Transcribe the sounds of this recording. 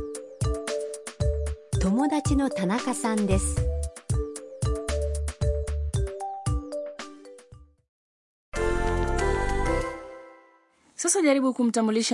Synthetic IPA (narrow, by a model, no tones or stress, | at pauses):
t̪o̞mo̞d̪at͡ɕino̞t̪anakasãnd̪e̞sɨ̥ | sosoʎaɾibukumtamuliɕ